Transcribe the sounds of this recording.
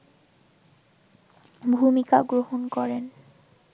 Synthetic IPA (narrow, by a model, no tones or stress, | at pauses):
bʱumikaɡɾohonkɔɾen